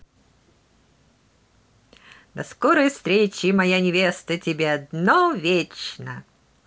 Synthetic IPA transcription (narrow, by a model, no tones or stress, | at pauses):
d̪ɐskɔɾəjfst̪ɾʲet͡ɕɪmɐjanʲɪvʲest̪ətʲɪbʲeɐd̪novʲet͡ɕnə̰